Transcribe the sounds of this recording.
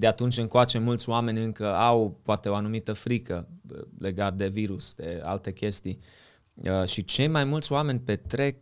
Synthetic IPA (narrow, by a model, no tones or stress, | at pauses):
d̪eat̪unt͡ʃʲɨŋkoat͡ʃe̞mult̪sʲoame̞nʲɨŋkəawpoat̪e̞o̞anumit̪əfɾikəle̞ɡat̪̚d̪e̞viɾusd̪̥e̞a̰lt̪e̞kʲe̞st̪ij | əʃit͡ʃe̞jmajmult̪sʲoame̞nʲpe̞t̪ɾe̞k̚